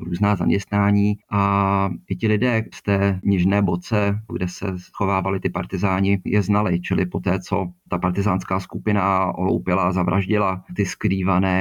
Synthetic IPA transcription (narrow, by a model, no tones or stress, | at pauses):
ɾuːznaːza̰mɲɛst̪naːɲiːʔaʔɪcɪlɪdɛːst̪ɛːɲɪʒnɛːbot͡sɛɡdɛsɛ̰sxovaːvalɪt̪ɪpaɾt̪ɪzaːɲɪjɛznalɪt͡ʃɪlɪpo̞t̪ɛːt͡sot̪apaɾt̪ɪzaːnskaːskupɪnaʔolo̰wpɪlazavɾa̰ʒɟɪlat̪ɪskɾiːvanɛː